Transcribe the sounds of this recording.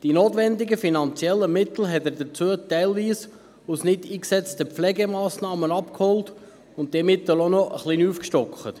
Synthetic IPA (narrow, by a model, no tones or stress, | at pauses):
d̥inoːtʋɛndɪɡəfinɑnt͡sjɛlːəmɪt̪l̩ɦɛtəɾdət͡suətɛɪlʋiːs | usnɪdiːksɛt͡stəpflɛɡɛmɑːsnɑːmənɑpkhɔlt | ʊnt̚d̥̪ɛːmɪt̪əlonɔʔə̰χliːnuːfkʃtɔkχət̪